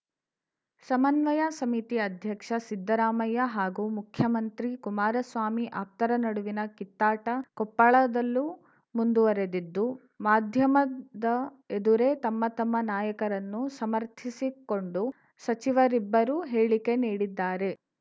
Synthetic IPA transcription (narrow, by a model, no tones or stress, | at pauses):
sɐmɐnʋɐjasɐmit̪iɐd̪ʱjɐkʂɐsid̪ːɐɾaːmɐjɐɦaːɡumukʰjɐmɐnt̪ɾikumaːɾɐsʋaːmiʔaːp̚t̪ɐɾɐnɐɽuʋinɐkit̪ːaːʈɐkɔpːɐɭɐd̪ɐlːu | mund̪uʋɐɾe̞d̪id̪ːu | maːd̪ʱjɐmɐd̪ɐ | ed̪uɾe̞t̪ɐmːɐt̪ɐmːɐnaːjɐkɐɾɐnːusɐmɐɾt̪ʰisiko̞ɳɖu | sɐt͡ʃiʋɐɾibːɐɾuɦeːɭike̞niːɽid̪ːaːɾe̞